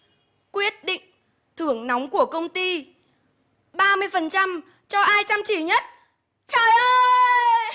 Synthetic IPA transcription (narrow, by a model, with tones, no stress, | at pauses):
kwi˦˥ət̚ɗḭ̈˧˨ŋ̟ | t̪ʰɨ˧˩əŋnɔ˨˦wŋ͡mku˧˩əkə˧wŋ͡mt̪i˧ | ɓaː˧mɨ˧əjfə˨˩nt͡ɕa˧m | t͡ɕɔ˧ʔaː˧jt͡ɕa˧mt͡ɕi˧˩ɲə˦˥t̚ | t͡ɕəː˨˩jʔəː˧